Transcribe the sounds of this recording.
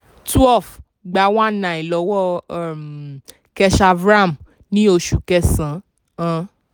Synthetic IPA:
tu˦ɛ˦˨f | ɡ͡ba˨˦wã˦˨nã˨i˨lɔ˨˦wɔ˦˨m | kɛ˧ʃa˧vɾa˦˨m | nĩ˦o˧ʃu˨kɛ˧sã˨˦ | ã˧

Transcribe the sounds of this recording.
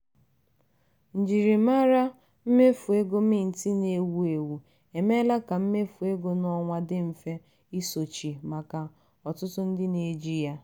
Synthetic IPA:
n̩˨d͡ʒi˨ɾi˨ma˦ɾa˦ | m̩˦me˦fu˨e˦ɡo˦mɪ˦n̩˨ti˦ne˨wu˨e˨wu˨ | e˨me˦la˦ka˨m̩˦me˦fu˨e˦ɡo˦nɔ˦ŋʷa˦dɪ˦m̩˨fe˦ | i˦so˨t͡ʃi˨ma˨ka˨ | ɔ˨tʊ˦tʊ˦n̩˦dɪ˦ne˨d͡ʒi˦ja˦

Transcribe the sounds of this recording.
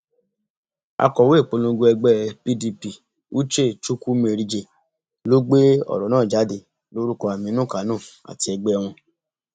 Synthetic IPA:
a̰˧kɔ˨we˦˨k͡po˧lõ˧ɡo˧ɛ˧ɡ͡bɛ˦pi˦˧di˧pi˧˨ | u˦t͡ʃe˦˨t͡ʃu˦ku˦me˧˨ɾi˧d͡ʒe˧˨ | lo˦ɡ͡be˦ɔ̰˨ɾɔ˨nãː˦˨d͡ʒa˨˦di˧˨ | lo˨˦ɾu˦kɔ˧˦a˨mĩ˨˦nũ˦˨ka˨˦nũ˦˨a̰˨ti˧ɛ˧ɡ͡bɛ˦˧w̃ɔ̃˧

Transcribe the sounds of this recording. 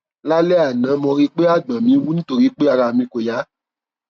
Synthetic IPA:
la˦lɛ˦a˨nã˨˦mɔ̃˧ɾi˦k͡pe˦a˦˨ɡ͡bã˨mĩ˨˦wu˦nĩ˦to˧ɾi˦k͡pe˦a˧ɾa˧˨mĩ˧ko˨ja˨˦

